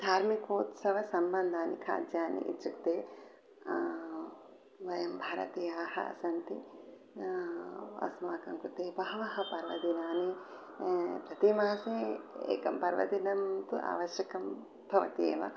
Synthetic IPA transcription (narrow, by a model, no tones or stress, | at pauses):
d̪ʱaːɾmikoːt̪sɐʋɐsɐmbɐnd̪ʱaːnikʰa̰ːd̪jaːnḭʔḭt͡ʃukt̪eː | ʋɐjɐmbʱaːɾɐ̰t̪ijaːhɐ̰ɐ̰sɐnt̪i | ɐ̰smaːkɐmkut̪eːbɐɦɐʋɐhɐ̆pɐɾʋɐ̰d̪inaːni | pɾɐt̪imaːseḛːkɐmpɐɾʋɐ̰d̪inɐmt̪uʔa̰ːʋɐʃjɐkɐm | bʱɐʋɐ̰t̪ḛːʋɐ̰